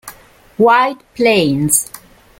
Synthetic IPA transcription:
wajdpʰlẽns

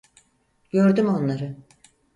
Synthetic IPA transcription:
ɟ̥ø̞ɾd̪ymo̞nlˠaɾɯ

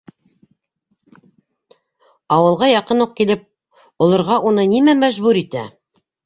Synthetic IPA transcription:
ɑwɤ̆lˠʁɑjɑqɤnuq̚kilɘp̚ | ŏlˠɤ̆ɾʁɑʔunɤnimæmæʒbʉɾit̪æ

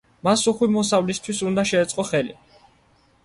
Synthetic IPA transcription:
masuχwimɔsavlist̪ʰwisund̪aʃɛːt̪sʼqʼɔχɛlḭ

